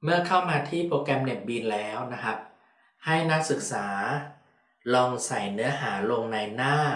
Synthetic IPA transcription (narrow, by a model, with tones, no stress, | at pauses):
mɯ˥˩ɐkʰa˥˩wmaː˧t̪ʰiː˥˩pɾoː˧kɛ˧mne˨˩p̚biː˧nlɛː˦˥wna˦˥kʰa˦˥p̚ | ha˥˩jna˦˥k̚sɯ˨˩k̚saː˩˦ | lɔː˧ŋsa˨˩jnɯ˦˥ɐɦaː˩˦lo˧ŋna˧jnaː˥˩